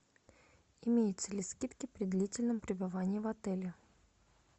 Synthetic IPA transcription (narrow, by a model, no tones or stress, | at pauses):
ɪmʲejɪt̪səlʲɪskʲit̪kʲɪpɾʲɪd̪lʲitʲɪlʲnəmpɾʲɪbɨvanʲɪːvɐt̪ɛlʲɪ